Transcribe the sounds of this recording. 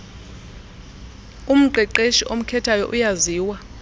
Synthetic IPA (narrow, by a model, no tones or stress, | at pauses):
um̩ǃɛǃeʃiʔom̩kʰɛtʰajɔ̰ʔujaziːwa